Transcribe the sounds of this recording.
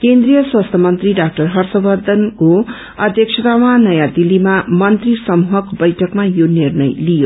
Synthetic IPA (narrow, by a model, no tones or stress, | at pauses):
kend̪rijʌswast̪ʰʌmʌnt̪riɖak̚ʈʌrɦʌrsʌbʌrd̪ʱʌnko | ʌd̪ʱjʌk̚t͡ʃʰʌt̪awanʌjad̪ilimamʌnt̪risʌmuɦʌkbʌjʈʰʌkmajonirnʌjlijo